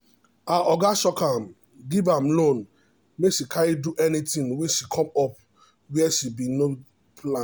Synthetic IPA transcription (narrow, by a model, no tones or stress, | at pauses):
aʔɔɡasɔkam | ɡivãmlõn | meʃikʰajiduʔɛnitĩnwiʃikʰɔ̃mɔp̚ | wɛʃibino | pʰlã